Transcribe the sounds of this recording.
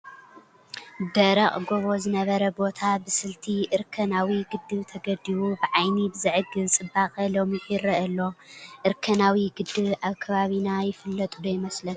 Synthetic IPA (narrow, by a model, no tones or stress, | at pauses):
d̪ɐɾɐχʼɡo̞βo̞zɨnɐβɐɾɐbo̞t̪ʰabɨsɨlt̪ʰiʔɨɾkʰɐnawiɡɨd̪ːɨβt̪ʰɐɡɐd̪iwubɨʕajnibɨzɨʕɨɡɨnt͡sʼɨbaχʼɐlo̞miʔiɾɐʔɐlːo̞ʔɨɾkʰɐnawiɡɨd̪ːɨβaβkʰɐβaβinajɪfɨlːɐt̪ʼud̪ɐjmɐslɐn